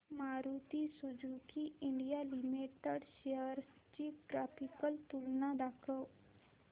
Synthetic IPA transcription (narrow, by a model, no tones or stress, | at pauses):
maɾut̪isud͡zʱukiiɳɖijalimiʈəɽɕeəɾst͡ɕiʈɾapikəlt̪ulnad̪akʰəw